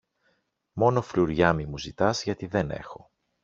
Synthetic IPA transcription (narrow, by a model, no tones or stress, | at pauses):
mo̞no̞fluɾʝɐmimuzit̪ɐzʝɐt̪iðe̞ne̞̰xo̞